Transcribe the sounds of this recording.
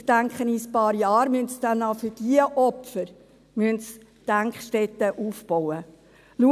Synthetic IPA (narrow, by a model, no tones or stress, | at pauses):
d̥æŋkχənispɑːɾjɑːɾmyəntsd̥ænːɑfyɾd̥iəʔɔpfəɾ | myənts | d̥æŋkχʃtɛt̪ːəʔuːfbɔwə | lu